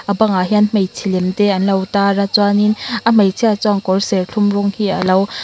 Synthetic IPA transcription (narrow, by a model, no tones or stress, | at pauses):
ʔabaŋaɦɛnm̥ejt͡sʰilɛmt̪ɛɐnlɐwtaːrat͡swaninʔam̥ejt͡sʰiat͡sɔŋkɔrsɛrɬʰumrɔŋhiːʔəlɐw